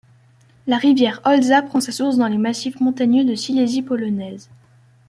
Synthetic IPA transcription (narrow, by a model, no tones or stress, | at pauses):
laʁivjɛʁɔlzapχɑ̃sasuʁsd̪ɑ̃lemasifmɔ̃t̪aɲjød̪əsilezipɔlɔnɛːz